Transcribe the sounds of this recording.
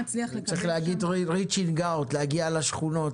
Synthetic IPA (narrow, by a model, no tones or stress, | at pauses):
it͡sʁiχlehaɡidʁit͡ʃinɡawtlehaɡialaʃχuno̞t